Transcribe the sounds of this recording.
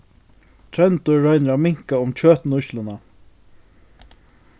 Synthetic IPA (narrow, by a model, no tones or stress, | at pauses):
t̪ʰɾɛnt̪ʊːɔjnəɾamɪŋ̥kaʊmt͡ɕʰøːt̪nʊʃlʊna